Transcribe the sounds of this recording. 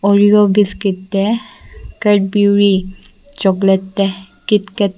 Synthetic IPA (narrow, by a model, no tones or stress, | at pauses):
ɔɹiɔbiskitːɛ | kɛt̚biɹi | t͡ʃɔɡlɛtːɛ | kitkɛt